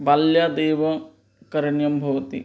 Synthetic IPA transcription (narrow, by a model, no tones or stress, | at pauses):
ʋaljad̪eːʋɐ | kɐɾɐɳjɐmbʱɐʋɐt̪ḭ